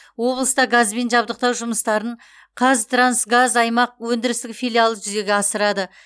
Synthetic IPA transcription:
wo̞blˠəst̪ɑɡazbe̞nʒɑbd̪əq̚t̪ɑwʒʊməst̪ɑɾəɴ | qʰɑzt̪ransɡazɑjmɑq̚wɵnd̪ɪɾɪst̪ɪkfʲijlʲˠialˠəʒʏze̞ɡʲeɑsəɾɑd̪ə

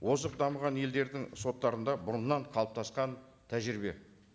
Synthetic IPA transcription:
wo̞səq̚d̪ɑməʁɑnje̞ld̪e̞ɾd̪ɪŋso̞t̪ːɑɾənd̪ɑbʊɾənnːɑɴqʰɑlˠəp̚t̪ʰɑsqɑn | t̪ʰæʒɪɾɪbe̞̰

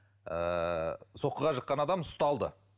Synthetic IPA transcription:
ə | so̞qːəʁɑʃəqːɑnɑd̪ɑmst̪ɑlˠd̪ə̰

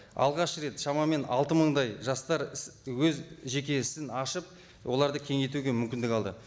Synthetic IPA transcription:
ɑ̰lˠʁɑʃɾe̞t̪ʃɑmɑme̞nɑ̰lˠt̪əməɴd̪ɑjʒɑst̪ɑɾwɵzʒe̞kʲe̞ɪsɪnɑʃəp̚ | wʔo̞lˠɑɾd̪əkʲʰe̞ŋe̞t̪uɡʲe̞mʏmkʲɪnd̪ɪkɑlˠd̪ə

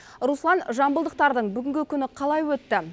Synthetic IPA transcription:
ruslˠɑnʒɑmbəlˠd̪əq̚t̪ɑɾd̪əɴbʏɡʲɪŋɡʲɪkʲʰʏnɪqʰɑlˠɑjwɵt̪ːɪ

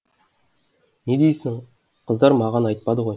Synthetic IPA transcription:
ned̪ejsɪŋ | qʰəzd̪ɑɾmɑʁɑnɑjt̪̚pɑd̪əʁo̞j

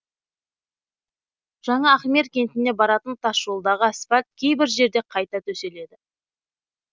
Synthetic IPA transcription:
ʒ̥ɑɴɑːχmʲe̞ɾkʲʰe̞nt̪ɪne̞bɑɾɑt̪ənt̪ʰɑsolˠd̪ɑʁəspat̪̚kʲʰe̞jbɪɾʒe̞ɾd̪e̞qʰɑjt̪ɑt̪ʰɵse̞le̞d̪ɪ

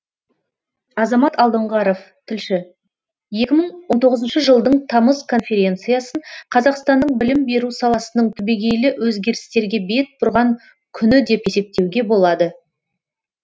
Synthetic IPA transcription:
ɑzɑmɑt̪ɑlˠd̪əɴʁɑɾof | t̪ʰɪlʃɪ | je̞kʲɪməɴwont̪ʰo̞ʁəzənʃəʒəlˠd̪əɴt̪ʰɑməzkʰo̞nfʲe̞ɾʲe̞nt̪sɨjɑsəɴqʰɑzɑqst̪ɑnːəɴbɪlɪmbe̞ɾusɑlˠɑsənəɴt̪ʰʏbeɡʲe̞jlɪwʔɵzɡʲe̞ɾɪst̪e̞ɾɡʲe̞be̞t̪̚bʊɾʁɑŋ | kʲʰʏnɪd̪e̞pje̞se̞p̚t̪e̞wɡʲe̞bo̞lˠɑd̪ə

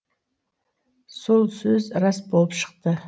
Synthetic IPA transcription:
solˠsɵzrasbolˠəpʃə̥q̚t̪ə

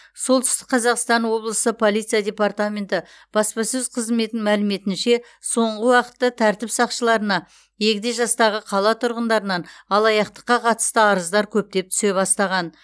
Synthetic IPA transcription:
so̞lˠt̪ʰʏst̪ɪk̚qʰɑzɑqst̪ɑnwo̞blˠəsəpʰo̞lˠijt̪sijad̪ʲe̞part̪amʲe̞nt̪ɪ | b̥ɑspɑsɵzqʰəzme̞t̪ɪŋmælɪme̞t̪ɪnʃe̞ | so̞ɴʁəwɑqə̥t̪ːət̪ʰæɾt̪ɪpsɑqʃəlˠɑɾənɑ | je̞kʲɪd̪e̞ʒɑst̪ɑʁəqʰɑlˠɑt̪ʰʊɾʁənd̪ɑɾənɑnɑlˠɑjɑqt̪ə̥qːɑqʰɑt̪ə̥st̪əɑɾəzd̪ɑɾkʲʰɵp̚t̪e̞p̚t̪ʰʏ̥se̞βɑst̪ɑʁɑn

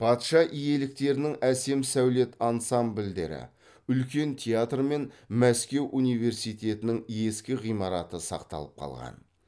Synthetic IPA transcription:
pʰɑt̪ʃɑʔije̞lɪk̚t̪e̞ɾɪnɪŋæse̞msæwle̞t̪ʰɑnsambld̪e̞̰ɾɪ̰ | ʏlkʲe̞nt̪ʰʲejat̪rme̞nmæskʲe̞wʔunijve̞ɾsijt̪ʲe̞t̪ɪnɪŋe̞skʲɪʁijmɑɾɑt̪əsɑ̰qt̪ɑ̰lˠəp̚qʰɑ̰lˠʁɑ̰n

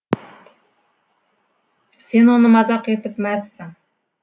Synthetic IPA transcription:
senunɨmɑzɑqjet̪ɪpmɛsːɪŋ

